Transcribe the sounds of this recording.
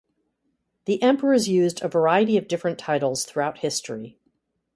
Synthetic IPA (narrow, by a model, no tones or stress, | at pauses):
ðiʔɛ̃mpə˞əzjʉzdɨvə˞aɪɨɾiʌvdɪfɹɨ̃ntʰaɪɾl̩ˠz̥θɹuaʊt̚hɪstɹ̥i